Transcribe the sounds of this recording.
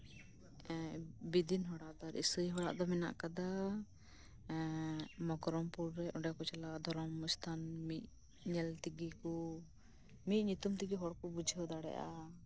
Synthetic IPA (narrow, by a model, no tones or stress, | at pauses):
bid̪inɦɔɽaʔd̪aɾḭsujɦɔɽa̰ʔd̪ɔmɛna̰ʔkad̪a | mɔkɾɔmpuɾːɛɔɳɖɛkɔt͡ʃɛlad̪ʱɔɾɔmst̪ʰanmit̪̚ | ɲɛlt̪iɡikɔ | mit̪̚ɲut̪umt̪iɡiɦɔɽkɔbud͡ʒʱiɔd̪aɽɛ̰ʔa̰